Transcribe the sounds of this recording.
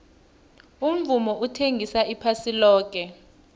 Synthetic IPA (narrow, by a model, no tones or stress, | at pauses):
um̩vumɔʔutʰeŋɡʱisaʔipʰasilɔːk̬ʼɛ